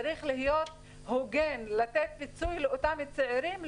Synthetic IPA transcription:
aɾiχlihijo̞t̪ | hoɡe̞nlat̪et̪̚pit͡sujleot̪amet͡sʕeɾim

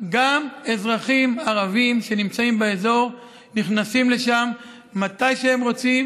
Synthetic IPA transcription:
ɡame̞zʁaχimaʁavimʃe̞nimt͡saimbeezo̞ʁ | niχnasimle̞ʃamː | atajʃeemʁo̞t͡sim

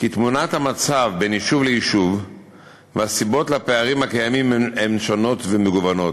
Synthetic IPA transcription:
kit̪munathamat͡savbeniʃuvleiʃuv | veasibo̞tlape̞aʁimhakajamimeemʃono̞tvemeɡuvano̞t

